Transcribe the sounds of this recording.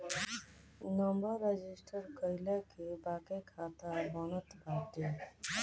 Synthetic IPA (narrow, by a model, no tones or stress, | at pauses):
nɔmbəɾːed͡ʒisʈʰəɾkəjlakebakekʰat̪abɔnət̪baʈ̪e